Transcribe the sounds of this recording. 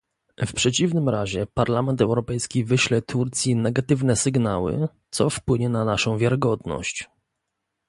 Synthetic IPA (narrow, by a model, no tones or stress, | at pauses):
fpʂɛt͡ɕivnɘmɾaʑɛpaɾlamɛnt̪ɛwɾɔpɛjskʲivɘɕlɛt̪ʰuɾt̪sʲjinɛɡat̪ɘvnɛsɘɡnawɘ̰t̪sɔfpwɘɲɛnanaʂɔ̃w̃vʲjaɾɘɡɔd̪nɔ̰ɕt͡ɕ